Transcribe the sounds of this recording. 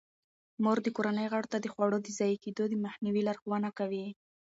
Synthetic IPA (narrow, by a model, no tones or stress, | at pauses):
moɾd̪əkoɾanəjɣaɽot̪ad̪əxwɑɽod̪əzɑjked̪od̪əmaxniwilaɾxowanakawi